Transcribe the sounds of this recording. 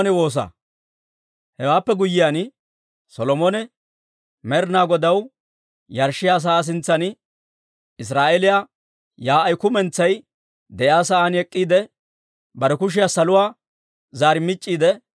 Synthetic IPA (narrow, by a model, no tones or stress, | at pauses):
nɛwo̞ːs̬a̰ː | hɛwaːpːɛɡʊjːɪjan | sɔlɔmɔnɛ | mɛɾnaːɡɔd̪ɐw | jɐɾʃɪjaːs̬ɐaːs̬ɪnt͡sːɐn | ɪs̬ɾaːʔɛlɪja | jaːɐjkʊmɛnt͡sːɐj | d̪ɛjaːs̬ɐʔaːnɛkʼːiːd̪ɛ | bɐɾɛkʊʃ̬ɪjaːsɐlʊwaː | zaːɾɪmɪt͡ʃʼːiːd̪ɛ